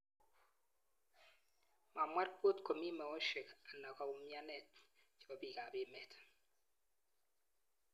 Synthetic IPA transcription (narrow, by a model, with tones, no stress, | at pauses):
ma˨mwa˦ɾpo˦tko˨mi˦mɛ˨wɔ˦ʃe˨ka˨na˨ka˨u˨mja˦nɛ˦˨tt͡ʃɔ˦bi˨ka˨be˨˦mɛ˨t